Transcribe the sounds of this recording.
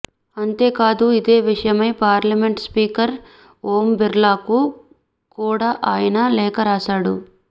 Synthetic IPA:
ɐnt̪e̞ːkaːd̪uid̪e̞ːʋiʂɐjɐmɐjpaːɾlɐmeɳʈspiːkɐɾ | oːmbiɾlaːku | kuːɽaːʔaːjɐnɐlɛːkɐɾaːsaːɽṵ

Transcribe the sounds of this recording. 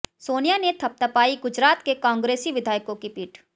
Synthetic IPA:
soːnijanet̪ʰɐp̚t̪əpaːiɡʊd͡ʒɾaːt̪kekɔ̃ːŋɡɾeːsiʋɪd̪ʱaːjkõkipiːʈʰ

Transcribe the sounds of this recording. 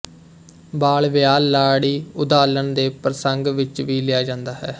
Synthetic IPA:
baːɭʋjaːlːaːɽiːʊd̪aːlənd̪eːpɾəsəŋɡʋɪt͡ʃʋiːlɪaːd͡ʒãːnd̪aːɦɛː

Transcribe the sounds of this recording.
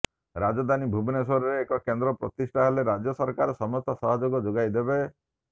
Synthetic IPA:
ɾad͡ʒɔd̪anibʱubineswɔɾɔɾeːkɔkend̪ɾɔpɾɔt̪isʈʰaɦeleɾad͡ʒjɔsɔɾkaɾɔsɔmɔst̪ɔsɔɦɔd͡ʒoɡɔd͡ʒoɡajd̪ebe

